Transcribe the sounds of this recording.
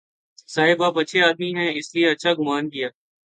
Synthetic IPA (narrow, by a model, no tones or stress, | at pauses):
saːɦɪbaːpɐtːʃʰeaːd̪̚miɦɛ̃ɪslieɐtːʃʰaɡʊmaːnkijaː